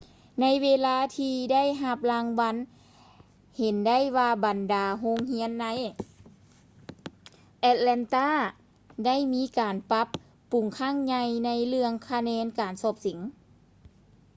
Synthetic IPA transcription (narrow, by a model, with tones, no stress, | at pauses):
na˧˥jweː˧laː˧˥t̪ʰiː˧da˥˨jɦa˧p̚laː˧ŋwa˧˥n | he˨˩nda˥˨jwaː˧ba˨˩ndaː˨˩ɦo˧˥ŋhi˧˥ənːa˧˥j | ʔɛ˧t̪̚lɛ˧nt̪aː˧˥˩ | da˥˩˨jmiː˧˥kaː˨˩npa˧˦pː | u˨˩ŋkʰaː˧˥˩ŋɲa˧jna˧˥jlɯ˧əŋkʰa˧nɛː˧˥nkaː˨nsɔː˧˩p̚si˩˦ŋ